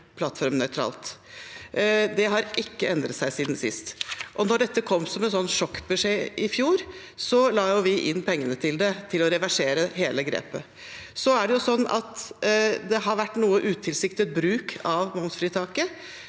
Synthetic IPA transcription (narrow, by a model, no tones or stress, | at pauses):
pʰlɑt̪ːfɔɾmnœʏt̪ʰɾɑ̰ːlt̪ | d̪ɛɦɑɾʔɪkːəɛnd̪ɾət̪sæɪsiːd̪nsɪ̰st̪ʔɔnɔɖɛt̪ːəkʰɔmːsɔmɛnsɔnt̪ʂɔkːbɛʂeːʔɪfjuːɾ | sɔlɑːjʊʋɪʔɪnːpʰɛŋːənət̪ʰɪld̪ɛt̪ʰɪlɔɾɛʋæʂeːɾəɦeːləɡɾḛːpə | sɔæɖɛjʊsɔnːɑ̰t̪ | d̪ɛɦɑɾʋæʈːnuːəʔʉːt̪ʰɪlsɪkt̪ət̪̚bɾʉːkʰɑʋmɔmt̪fɾiːt̪ʰɑːkə